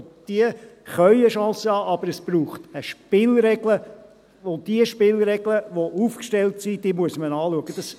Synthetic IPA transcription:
d̥iəχœʏəʃɑ̃ːsəhɑːʔɑbəɾəsb̥ɾuːχtəʃpɪlɾɛɡlə | od̥iəʃpɪlɾɛɡləʋoʔufkʃtɛltsid̥iəmuəsmənɑːluəɡəd̥ɑs

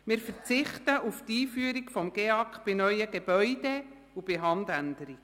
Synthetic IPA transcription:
mɪːɾfəɾt͡sɪχtəʔuftiːfyəɾiɡfɔmɡ̥eɑkχb̥ɪnœʏəɡeb̥œʏd̥e | ub̥ɪɦɑndændəɾiɡ

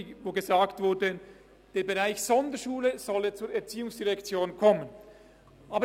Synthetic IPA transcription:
voːɡezaːktv̥ʊɾdə | d̥eːɾbeʁaɪçsɔndəʃuːləz̥ɔlət͡suːɾɛɐt͡siːʊŋsd̥iʁɛkt͡sjoːnkʰɔmən | ʔaːbə

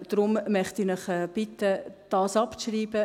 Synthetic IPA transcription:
d̪̥rʊmmœχtinəχɛːb̥ɪtəd̥ɑːsɑpt͡sʃriːb̥ə

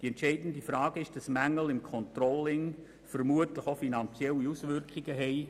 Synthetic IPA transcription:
d̥iɛntʃɛɪdn̩difrɑːɡ̥əɪʃd̥ɑsmæŋːəl̩ɪmkʰɔntrɔlːɪŋ | fərmuətləχofinɑnt͡sjɛliusvʏrkχɪɡəɦɛɪ

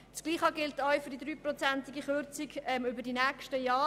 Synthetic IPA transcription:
t͡skliːχɑɡɪltajfʏdid̥̪ɾyːprot͡sæntiɡiχøɾt͡siɡɛmʏbədinɛːkʃtəjɑː

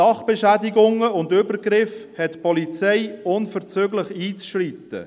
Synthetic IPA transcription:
ɑχb̥ɛʃædɪɡʊŋəʊndʏbəɾɡɾɪfhɛtpɔlit͡sɛɪʊnfəʁt͡søɡlɪχiːt͡sʃrit̪ə̰

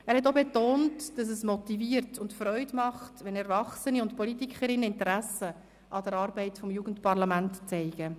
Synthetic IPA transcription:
ɛæːɾhɛt̬obetoːntd̥ɑs̬əsmɔtiviəɾtʰʊntfrɔʏdmɑχtʋɛnɛɾvɑχsəniʊntpɔlitikχəɾɪnːəɪntəɾæsə | ʔɑd̥əɾɑːɾbɛɪtfɔmjuːɡən̩tpɑɾlɑmæntt͡sɛɪɡ̥ə

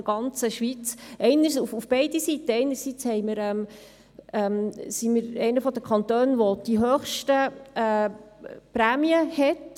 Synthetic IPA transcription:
ɡ̥ɑnt͡səʃʋit͡sɛɪnəɾsufufb̥ɛɪdisit̪ːəɛɪnəɾsit͡shɛɪməɾɛm | ɛmsiməɾɛɪnəfɔd̪əkʰɑnt̪øːnʋod̥iɦøːχʃtəɛː | pɾæːmiəhɛt

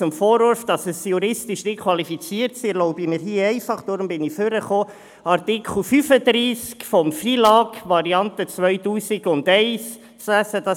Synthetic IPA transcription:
ʊmfoːɾʊɾfd̥ɑsəsjuɾɪstɪʃnɪkʰwɑlifit͡siːəɾtsilɔʊbiməɾɦiːɛɪfɑχd̥ʊɾmbɪniføɾəχoː | ɑɾtikʰχl̩fyːfədɾiːskfɔmfriːlɑːɡʋɑɾiɑntət͡svœʏtuːsiɡʊndɛɪs | sæsəd̥ɑ

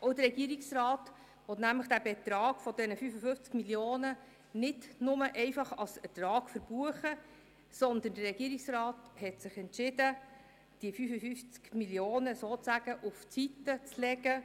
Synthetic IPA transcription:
ɔʊd̥əɾɛɡ̥iəɾiksrɑːt | ʋɔt̪næmləχd̥æbɛt̪ɾɑːɡ̥fɔd̪ɛnəfyfəfʏft͡skmiljoːnə | nɪtnʊməʔɛɪfɑχɑlsətrɑːɡ̥fəɾb̥uəχə | sɔnd̪əndərɛɡ̥iəɾiksrɑːthɛtsɪχɛntʃɪdə | d̥iəfyfəfyft͡skmiljoːnəsoːt͡sæɡ̥əʔuft͡sit̪ːət͡slɛɡə

